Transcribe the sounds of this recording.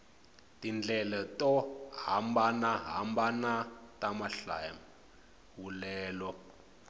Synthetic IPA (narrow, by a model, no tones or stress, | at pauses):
tind͡ɮʱɛlatɔhambanaɦa̰mbanatamaɬa̰ma | wulɛːlɔ